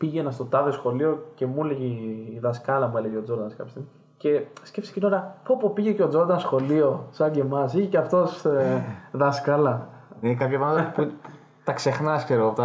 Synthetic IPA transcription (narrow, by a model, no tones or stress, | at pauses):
piʝe̞nɐst̪o̞t̪ɐðesxo̞lio̞ce̞muleʝiːðɐskɐlɐmue̞leʝiod͡zo̞ɾd̪ɐnskɐpçest̪imi | ce̞scefsi̥cinoɾɐpoɐpopiʝeceo̞d͡zo̞ɾd̪ɐnsxo̞lio̞sɐɟe̞mɐsiʝeceɐft̪o̞s | ðɐskɐlɐ | inekɐpçɐvɐlpu | t̪ɐkse̞xnɐskseɾoɣoɐpot̪ɐ